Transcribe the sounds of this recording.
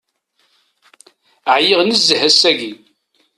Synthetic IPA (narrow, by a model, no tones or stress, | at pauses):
əʕjɪʁnəzːəhæsæɡi